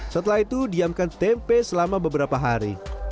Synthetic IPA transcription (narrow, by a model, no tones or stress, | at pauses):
sət̪əlaɦit̪udiamkant̪ɛmpɛsəlamabəbəɾapaɦaɾḭ